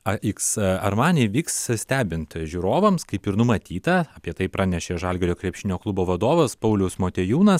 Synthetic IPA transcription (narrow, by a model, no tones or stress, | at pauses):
ɐiːksɐɾmɑːnʲɛʋʲiːkssʲt̪ʲæːbʲɪnt̪ʒʲuːɾoːʋɐmskɐɪpɪɾnʊmɐt̪ʲiːt̪ɐɐpʲiɛt̪ɐɪpɾɑːnʲɛʃʲeːʒɑlʲɡʲɛɾʲoːkɾʲɛpʲʃʲɪnʲoːklˠʊboːʋɐd̪oːʋɐspɐʊlʲɛʊsmoːt̪ʲeːjuːnɐs